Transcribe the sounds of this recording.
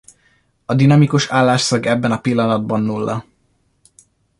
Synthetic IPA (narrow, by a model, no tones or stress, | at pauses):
ɒd̪inɒmikuʃaːlːaːʃsɒɡɛbːɛnɒpilːɒnɒd̪̚bɒnːuːlːʔɒ̰